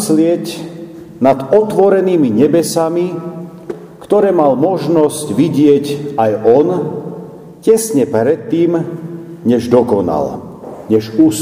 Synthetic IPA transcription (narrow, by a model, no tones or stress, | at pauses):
slɪɛc | nad̪ɔt̪ʋɔɾɛniːmiɲɛbɛsami | kt̪ɔɾɛːmalmɔʒnɔscʋiɟɪɛcajɔn | cɛsɲɛpɾɛt̪ːiːmɲɛʒd̪ɔkɔna̰l | ɲɛʒuːs